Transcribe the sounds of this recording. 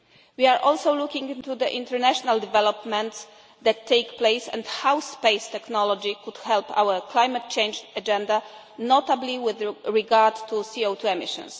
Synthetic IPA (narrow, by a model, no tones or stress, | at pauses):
wiaɹʔɔlsowlukĩŋɡĩnt̪ud̪əʔḭ̃nt̪ɛɾnɛʃɔnald̪ɛvɛlɔpmɛ̃nt̪s | d̪ɛt̪ʰːejkplejsɛ̰̃nt̪hawspejst̪ɛknɔlɔd͡ʒikud̪̥hɛlpa̰wəɹklajmat̚t͡ʃẽjnd͡ʒad͡ʒɛ̃nd̪a | nɔt̪abliwɪðɹiɡaɹd̪t̪usiot̪ʰuɛmiʃɔ̰̃ns